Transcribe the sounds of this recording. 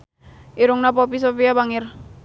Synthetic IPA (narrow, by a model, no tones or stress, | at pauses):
ʔiɾuŋnapɔpis̬ofiabaŋɪr